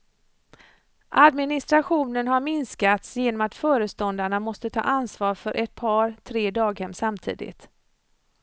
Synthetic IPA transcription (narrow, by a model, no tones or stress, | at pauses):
ʔad̪mɪnɪst̪ɾaɧuːnənɦaɾmɪnskat̪sjeːnɔmat̪fœːɾəst̪ɔnd̪aɳamɔst̪ət̪ʰɑ̰ːʔansvɑːɾfœɾʔɛt̪̚pʰɑːɾt̪ʰɾeːd̪ɑːɡhɛmːsamt̪ʰḭːd̪ɪ̰t̪